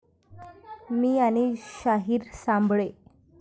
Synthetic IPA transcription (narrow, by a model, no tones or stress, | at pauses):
miːañiɕaɦiːɾsãmbɭe